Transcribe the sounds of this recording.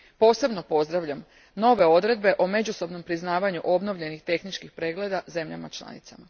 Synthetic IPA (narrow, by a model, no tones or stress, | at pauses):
po̞ːse̞bno̞po̞zd̪ɾaʋʎam | no̞ʋe̞o̞d̪ɾe̞d̪̚be̞ʔo̞me̞d͡ʑuso̞bno̞mpɾiznaːʋaɲuʔo̞bno̞ʋʎe̞nixt̪e̞xnit͡ʃkixpɾe̞ːɡle̞d̪aze̞mʎa̰mat͡ʃlˠa̰nḭt̪sa̰ma